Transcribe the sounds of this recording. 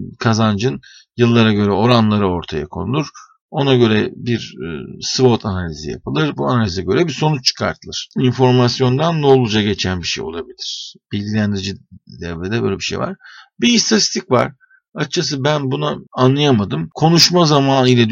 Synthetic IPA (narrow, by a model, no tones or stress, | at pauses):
kʰazand͡ʒɯn | jɯlˠːaɾaɟø̞ɾɛo̞ɾanlˠaɾɯo̞ɾt̪ʰaja̰kʰo̞̰nulˠuɾ̥ | o̞naɟø̞ɾɛbiɾsvot̪ʰanalʲizḭja̰pɯlˠɯɾbua̰nalʲizɛɟø̞ɾɛbiso̞nut͡ʃt͡ʃʰːɯ̥kʰa̰ɾt̪ʰɯlˠɯɾ̥info̞ɾmasjo̞nd̪and̪o̞lˠud͡ʒaɟe̞t͡ʃʰænbiʃḛjo̞̰lˠabilʲiɾ̥b̥ilʲɟilʲænd̪iɾid͡ʒid̪ɛved̪ɛbø̰jlʲɛbiʃḛjva̰ɾ̥biːst̪ʰat̪ist̪ʰicva̰ɾ̥ | at͡ʃʰas̬ɯbænbunaanlˠajamad̪ɯmkʰo̞nuʃmazamaːnilʲɛd̪